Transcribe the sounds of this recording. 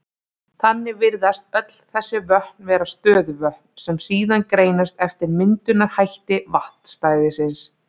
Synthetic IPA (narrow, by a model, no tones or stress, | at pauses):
θanːɪvɪɾðast̪œt̪l̥θɛsːɪvœhknvɛːɾast̪œːðvœhkn̥sɛmsiːðankɾeːjnast̪ɛft̪ɪɾmɪnt̪ʏnaɾ̥hajht̪ɪvaht̪n̥st̪aːjðɪsɪns